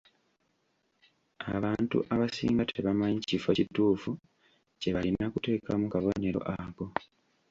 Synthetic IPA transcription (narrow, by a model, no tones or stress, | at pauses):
a̰βaːntṵʔaβasḭːŋɡatʰeβamaɲicifecituːfu | ce̞βalinːakute̞ːkamukaβo̞ne̞ɾo̞̰ʔako̞